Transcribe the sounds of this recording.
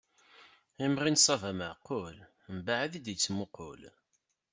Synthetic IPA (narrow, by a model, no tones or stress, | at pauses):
imʁinsˤɑvæməʕqːol | mbaʕaðid̪it͡sːmʊqo̰l